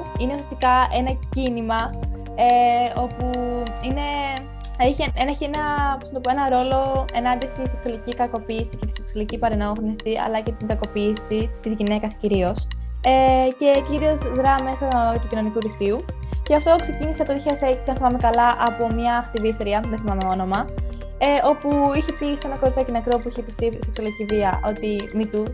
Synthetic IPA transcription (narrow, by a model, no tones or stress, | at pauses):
ineusjest̪ikɐe̞nɐcinimɐ | eo̞puine̞ | içienɐçenɐposnt̪poe̞nɐɾo̞lo̞e̞nɐnd̪ist̪ise̞ksuɐlicikɐko̞piːsicet̪i̥seksuɐlicipɐɾeno̞xnisiɐ̰lɐce̞t̪iŋɡɐko̞piːsit̪izʝine̞kɐsciɾio̞sece̞ciɾio̞zðɾɐmesot̪ucino̞nikuɾifiu | ceɐft̪o̞kse̞ciniseɐft̪oiçiɐseksinɐθimɐmekɐlɐʔɐpo̞mɲɐːxt̪iviest̪eɾiɐðeθimɐmeo̞no̞mɐ | eo̞puiçepise̞nɐko̞ɾit͡sɐcinɐkɾopuiçeipost̪ise̞ksuɐliciviɐʔo̞t̪imit̪u